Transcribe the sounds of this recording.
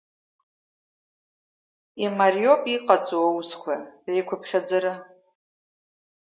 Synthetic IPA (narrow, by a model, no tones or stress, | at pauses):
imarjopʼiqʼat͡sʼowawskʷʰaejkʷʰʊpʰχʲad͡zaɾɨ